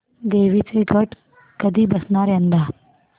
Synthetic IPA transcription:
d̪eːʋiːt͡seɡʱəʈ | kəd̪ʱiːbəsɳaɾənd̪a

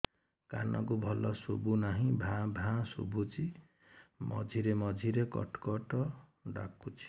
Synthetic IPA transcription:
ka̰nʌ̰kubʱʌlːʌsobunaɦĩbʱãbʱãsṵbut͡si | mʌ̰d͡zʱiɾemʌd͡zʱiɾekʌ̰ʈkʌʈʌ | ɖa̰kːut͡sʰi̥

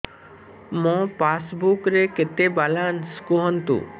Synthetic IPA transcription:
mɔ̃pasbukɾeket̪ebalanskuɦɔnt̪ṵ

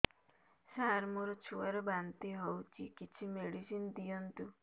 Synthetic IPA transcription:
saɾmoɾɔt͡ʃʰuaɾɔbant̪iɦowt͡ʃʰikit͡ʃʰimeɽisind̪ijɔnt̪u

